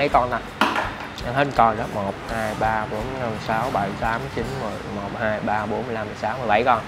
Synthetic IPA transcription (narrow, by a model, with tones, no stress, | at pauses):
ə˨˦jkɔ˧na˨˩ | ʔa˧nɦe˨˦˥kɔ˧nɗɔ˨˦mo˨˩t̚haː˧jɓaː˧ɓo˨˦nə˧˩saː˨˦wɓə˧˩jt̪aː˨˦mt͡ɕi˨˦nmu˨˩tmo˨˩t̚haː˧jɓaː˧ɓo˨˦nmɨ˨˩˨jla˧mɨ˨˩saː˨˦wmɨ˧˩əjɓa˧˩jkɔ˧n